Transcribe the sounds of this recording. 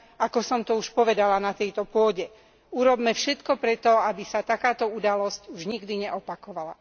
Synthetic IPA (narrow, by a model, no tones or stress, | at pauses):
akɔsɔmt̪ɔuʃpɔʋɛd̪alanat̪ɛjt̪ɔpʊɔɟɛ | uɾɔbmɛfʃɛt̪kɔpɾɛt̪ɔabisat̪akaːt̪ɔud̪alɔscuʒɲiɡd̪iɲɛʔɔpakɔʋala